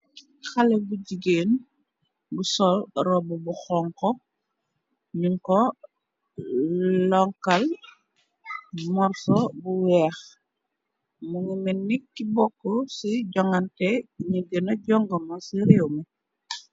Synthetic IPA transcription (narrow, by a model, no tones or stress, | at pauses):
xɐlɛbuɟiɡeːn | busɔlrɔbubuxɔŋkɔ | ɲuŋkɔ | lɔŋkɐl | mɔrsɔbuwɛːx | muŋimɛnːikːibɔkːɔsiɟɔŋɡɐntɛɲuɡənɐɟɔŋɡɐmɐsiɾewmɐ